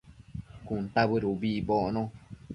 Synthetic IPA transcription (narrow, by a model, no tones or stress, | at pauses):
kunt̪aβɨɾubiboʔnõ